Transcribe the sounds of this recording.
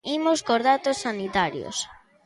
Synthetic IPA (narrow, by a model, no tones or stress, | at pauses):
imoskoɾðat̪osːanit̪aɾjo̰s